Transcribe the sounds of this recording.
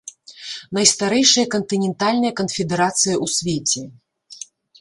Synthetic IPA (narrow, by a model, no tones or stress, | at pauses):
nɐjst̪aɾɛjʂɐjɐkɐnt̪ɨnʲɛnt̪alʲnɐjɐkɐnfʲɛd̪ɛɾat̪sɨjɐʔusʲvʲet͡sʲɛ